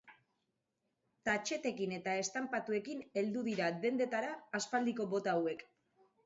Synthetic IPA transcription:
t̪at͡ʃe̞t̪e̞kine̞t̪ae̞st̪ampat̪ue̞kine̞ld̪uðiɾade̞nd̪e̞t̪aɾaːspald̪iko̞βo̞t̪aːwe̞k

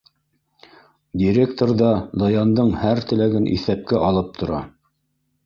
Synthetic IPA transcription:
dʲiɾʲekt̪orðɑd̪ojɑnd̪ɤɴhæɾt̪ɘ̆læɡɘnʔḭθæp̚kæʔɑlˠɤp̚t̪ʰŏɾɑ

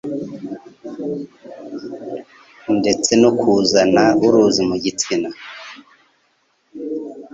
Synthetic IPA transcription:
nde̞t͡se̞nokuzanauɾuzimuɟit͡sina

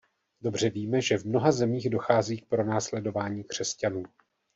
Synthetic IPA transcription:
do̞br̝̥ɛviːmɛʒɛvmno̞ɦazɛmiːɣdo̞xaːziːk̚pɾo̞naːslɛdo̞vaːɲiːkr̝̥ɛscanuː

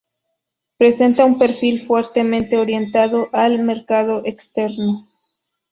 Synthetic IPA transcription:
pɾe̞se̞nt̪aumpe̞ɾfilfwe̞ɾt̪e̞mẽnt̪e̞oɾje̞nt̪aðoʔalme̞ɾkað̞o̞ʔekst̪e̞ɾno

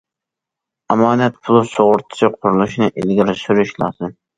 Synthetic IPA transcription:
ɑmɑːnɛt̪pʰʊlˠusoʁʊɾt̪ʰɪ̥sʰiqʰʊɾulˠuʃnɨʔelɡʲiɾɪsyɾyʃlˠɑ̰ːsɨm

